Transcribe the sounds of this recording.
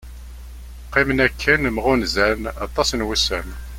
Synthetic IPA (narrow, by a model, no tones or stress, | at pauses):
qːimnækʰːənmʁʊnzænɑt̪ˤːɑsnwusən